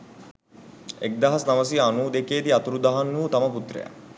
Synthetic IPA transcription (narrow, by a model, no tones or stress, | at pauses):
ek̚d̪aɦasnaʋəs̬ianuːd̪ekeːd̪iat̪uɾud̪aɦanːuːt̪aməput̪rḛja̰